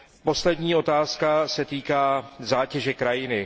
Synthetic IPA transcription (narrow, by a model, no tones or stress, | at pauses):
po̞slɛdɲiːo̞t̪aːskasɛt̪iːkaːzaːcɛʒɛkɾajɪnɪ